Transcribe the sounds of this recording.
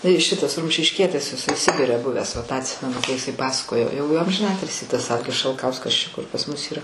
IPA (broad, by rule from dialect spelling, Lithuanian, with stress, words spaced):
tɐɪ ˈʃʲɪtɐs rʊmʲʃʲɪʃʲˈkʲiɛtʲɪs jɪˈsɐɪ ˈsʲɪbʲɪrʲɛ ˈbʊʋʲæːs ʋɐ tɑː ɐtʲˈsʲɪmʲɛnʊ kɐɪ ɪˈsɐɪ ˈpɑːsɐkoːjoː jɛʊ j ɐmʲʒʲɪˈnɑːtʲɪlʲsʲiː tɐs ˈɐlʲɡʲɪs ʃɐlˠˈkɐʊskɐs ˈt͡ʃʲɛ kʊr pɐs ˈmʊs ˈiːrɐ